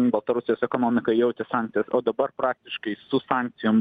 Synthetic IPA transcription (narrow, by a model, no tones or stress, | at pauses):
bɐlˠt̪ɐɾʊsʲɪjoːsɛkoːnoːmʲɪkɐjɛʊt̪ʲɪsɑːˑŋkt̪ʲɪjɛsoːd̪ɐbɐrpɾɑːk̚t̪ʲɪʃkɐɪsʊsɑːŋʲk̚t̪sʲɪjʊm